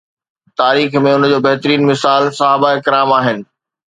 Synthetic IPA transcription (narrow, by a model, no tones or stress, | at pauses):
t̪aːɾiːxmẽʊnd͡ʑoːbɐɦt̪ɾiːnmɪsaːlsɐɦaːbaɪkɪɾaːmaːɦɪnɪ̆